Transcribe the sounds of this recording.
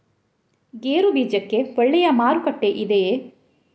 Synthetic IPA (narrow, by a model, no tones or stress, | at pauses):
ɡeːɾubiːd͡ʒɐkːe̞ʋɔɭːɛjɐmaːɾukɐʈːeʔid̪e